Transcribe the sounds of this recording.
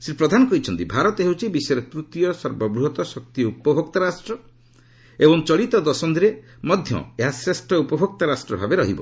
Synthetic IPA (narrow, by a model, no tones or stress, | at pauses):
sɾipɾɔd̪ʱanɔkɔɦit͡ʃʰɔnt̪ibʱaɾɔt̪eɦewt͡ʃʰibisɔjɾet̪ɾut̪jɔsɔɾbɔbɾuɦɔt̪ɔsɔk̚t̪iupɔbʱɔk̚t̪aɾasʈɾɔ | ebɔŋt͡ʃɔɭit̪ɔd̪ɔsɔnd̪iɾe | mɔd̪ʱjɔ̰eɦasɾesʈɔupɔbʱɔk̚t̪aɾasʈɾɔbʱabeɾɔɦibɔ̰